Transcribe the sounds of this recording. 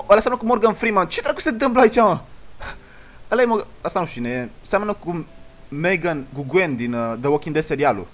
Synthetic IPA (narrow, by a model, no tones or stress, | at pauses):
ɐlɐsamnɐkumoɾɡɐnfɾimãnt͡ʃit̪ɾaku̥sed̪əmblait͡ʃã | əlɐjmoɐsanuʃinesamɐnɐkumeɡɐnɡuɡʷend̪ind̪əwokĩnd̪eseɾialṵ